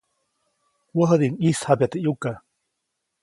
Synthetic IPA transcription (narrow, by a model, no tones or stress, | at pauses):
wəɦəd̪iŋishabjat̪ejuka